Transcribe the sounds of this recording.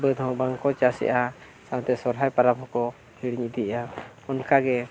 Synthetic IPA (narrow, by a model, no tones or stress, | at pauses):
bəd̪ʱɦɔ̃baŋkɔt͡ʃasɛ̰ʔa | sawt̪ɛsɔɾɦajpaɾabɔ̃kɔ | hiɽiɲid̪iʔa | ɔnkaɡɛ